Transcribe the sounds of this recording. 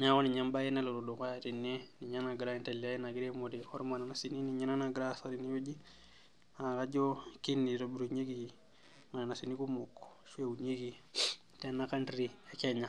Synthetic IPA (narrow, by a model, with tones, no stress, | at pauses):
ɲa˦ko˦ni˨ɲa˦mba˦ji˦na˦lo˨ɾu˨du˨ka˦jati˨nːe˦ni˨ɲa˦na˨ɡɾa˦i˦nte˨li˨a˦i˦na˨ɡi˦ɾe˦mo˨dixo˦ɾma˨na˨na˨si˨ni˦ni˨ɲa˦na˦na˨ɡɾasaɾini˦jo˦d͡ʒi˦ | a˨ka˦ɟo˦ki˦nːi˨ɾo˨bɾu˨ɲe˦ɡi˨ | ma˨na˨na˨si˨ni˦ku˦mo˨kː | ʃwe˦u˨ɲe˦ɡi˨ | te˦na˦ka˦ndɾi˦e˦ke˦ɲa˨